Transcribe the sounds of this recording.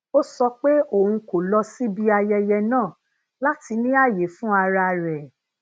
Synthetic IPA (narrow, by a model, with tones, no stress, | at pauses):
o˦sɔ˧k͡pe˦o˨hũ˧ko˨lɔ˧si˦bi˧a˧jɛ˧jɛ˧nãː˦˨ | la˦ti˧nĩ˦a˦˨je˨˦fũ˦a˧ɾa˧˨ɾɛ˨